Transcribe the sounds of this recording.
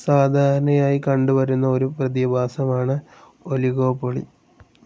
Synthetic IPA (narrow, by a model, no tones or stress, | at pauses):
saːd̪ʱaːɾɐnɐjaːjikɐɳɖuʋɐɾunːɐoɾuprɐðjɐbʱaːsɐmaːɳɨ | oliɣoːpːoɭḭ